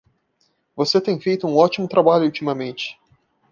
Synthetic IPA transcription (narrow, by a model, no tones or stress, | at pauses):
voset̪ẽj̃fejt̪ʊũɔt͡ʃimʊt̪ɾabaʎʊult͡ʃimɐmẽnt͡ʃɪ̥